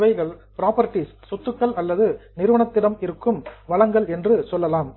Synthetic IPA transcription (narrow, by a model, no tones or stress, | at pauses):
ʋɐɪɣɐɭpɪɾaːpɐɾɪʈːisːɔt̪ːɯkːɐɭɐlːɐðɯnɪɾɯʋɐɳɐt̪ːɪɽɐmɪɾɯkːɯmʋɐɭɐŋɡɐɭɛndrɯsɔlːɐlaːm